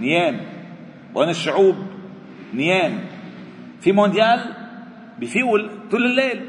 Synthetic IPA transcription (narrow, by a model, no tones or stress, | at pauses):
njeːm | wʔeːnɪʃːʊʕuːb̚ | njeːm | fimõnd̪jaːl | bifiwlk̪ʊlːɪlːeːl